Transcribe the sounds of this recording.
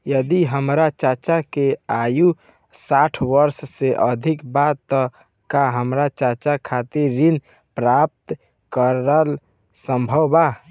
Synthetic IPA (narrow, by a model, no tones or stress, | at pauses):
jəd̪iɦəmɾat͡ʃat͡ʃakeaju | saʈʰwəɾsseʔəd̪ʱikbat̪ːɔ | kaɦəmɾat͡ʃat͡ʃakʰat̪iɾːin | pɾap̚t̪ | kəɾəl | səmbʱəwba